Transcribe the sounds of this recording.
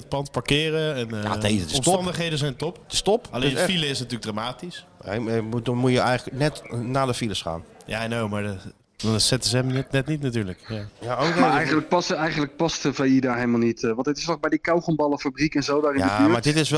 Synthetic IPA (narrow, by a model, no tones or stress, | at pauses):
ət̚pɑntpaɹkɪːrəɛna̰esɔmɑndəχɦejdənzɛjntɔptɪstɔpɑlejnfiləɪs̬natyːləɡ̚draːmaːtisɛmudɔmujəɛjlənɛtnaːdəfiləsχa̰ːnjanowmaɹdə | sɛtəzəɛmnɛtnɛtnitnatyːɹləkjajaowdmajənlək̚pɑsɛjχəndlək̚pɑstəfeidaːɹɦelmalˠnitʋɑ̃ntətɪstɔxbɛjdikawχənbɑlˠəfabrikɛnzowdaːɾɪ̃jadəimaːɹdɪtɪsʋ